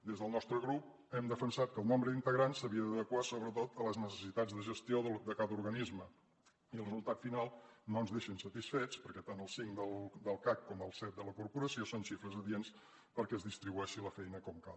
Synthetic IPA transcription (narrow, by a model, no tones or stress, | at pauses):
d̪ezðəlˠnɔst̪ɾəɣɾup̚ | ɛmd̪əfənsat̪̚kəlˠnombɾəðint̪əɣɾansːəβiəd̪əðəkwasoβɾət̪ot̪ələznəs̬ə̥sit̪ad͡zd̪əʒəst̪ioðd̪əkaðəuɾɣənizmə | iəlrəzulˠt̪at̪finalˠnoənzðeʃənsət̪isfet͡spəɾkɛt̪anəlˠsiŋd̪əlˠd̪əlˠkakːɔməlˠsɛt̪̚d̪ələkuɾpuɾəsiosonʃifɾəzəðiens | pəɾkɛəzðist̪ɾiβuɛʃiləfɛjnəkɔmka̰